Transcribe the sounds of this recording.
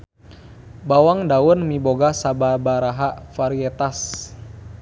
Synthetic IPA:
bawaŋdawɔnmiboɡasababaɾaɦaʔfaɾiɛt̪as

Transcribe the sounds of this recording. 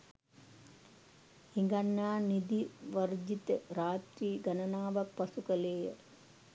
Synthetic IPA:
hiŋɡanːaːnid̪iʋɐrd͡ʒit̪əɾaːt̪ɾiːɡanənaːʋak̚pasukəleːjə

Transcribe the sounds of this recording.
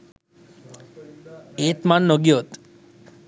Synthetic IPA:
et̪manːɔɡjot̪

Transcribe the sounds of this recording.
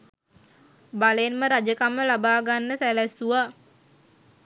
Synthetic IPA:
baləenməɾad͡ʒəkamːəlabaːɡanːəsɛlɛsua

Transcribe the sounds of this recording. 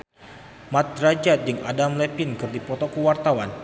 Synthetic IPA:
mat̪̚ɾad͡ʒat̪̚d͡ʒɨŋa̰damlɛpinkɨrdipɔt̪ɔkuwart̪awan

